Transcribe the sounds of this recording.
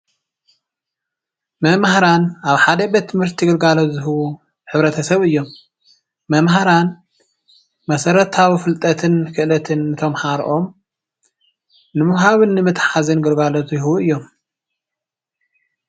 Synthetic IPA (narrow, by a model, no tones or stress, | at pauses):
mɐmhaɾanaβħad̪ɐbet̪ʰːɨmhɨɾt̪ʰiɡɨɾɡalot̪zɨɦɨwu | ħɨβɾɐt̪ʰɐsɐβʔɨjːo̞mː | ɐmɦaɾan | mɐsɐɾɐt̪ʰawifɨlt̪ʼɐt̪ʰɨnkʰɨʔlɐt̪ʰɨnɨt̪ʰo̞mħaɾʔo̞m | nɨmɨβɦaβɨnːɨmɨt̪ħazɨnɡɨɾɡalot̪zjhɨwuɨjːo̞m